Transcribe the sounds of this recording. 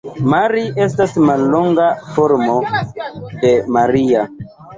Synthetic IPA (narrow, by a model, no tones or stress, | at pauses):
maɾiʔestasmalːoŋɡafoɾmo | kemaɾia